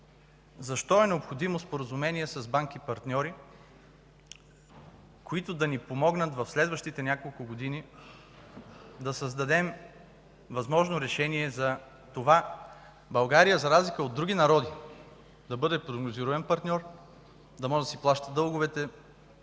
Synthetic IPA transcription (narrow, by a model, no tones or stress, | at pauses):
zɐʃt̪ɔɛnɛopxod̪imospoɾəzumɛniɛsɐzbaŋk̟ipɐɾt̪nʲɔɾi | koit̪ʊd̪ɐnipomɔɡnət̪vɐfslɛd̪vəʃt̪it̪ɛnʲjakolˠkʊɡod̪ini | d̪ɐsɐzd̪ɐd̪ɛm | vɐzmɔʒnoɾɛʃɛniɛzɐ | t̪ova | bɐlˠɡaɾijəzɐɾazlikəod̪ːɾuɡ̟ʲinɐɾɔd̪i | d̪ɐbɤd̪ɛpɾoɡnoziɾʊɛnpɐɾt̪nʲɔɾ | d̪ɐmɔʒɛd̪ɐsiplˠaʃt̪əd̪ɤlˠɡʊvɛt̪ɛ